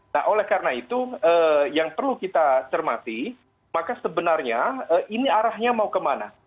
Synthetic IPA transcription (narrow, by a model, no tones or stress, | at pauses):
na̰ɦʔolɛhkaɾənait̪uəjaŋpərlukit̪at͡ʃərmat̪i | makasəbənarɲaəʔiniaɾahɲamaukəmana̰